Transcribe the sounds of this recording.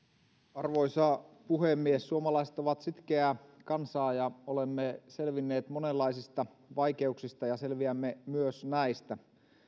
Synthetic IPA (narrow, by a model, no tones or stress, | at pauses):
ɑrʋo̞isɑpuhemːiesːuomɑlɑise̥t̪oʋɑt̪sit̪k̟eækɑnsɑːjɑolemːeselʋinːeːt̪monelːɑisist̪ɑ | ʋɑike̞uksist̪ɑjɑselʋiæmːemyøsnæist̪æ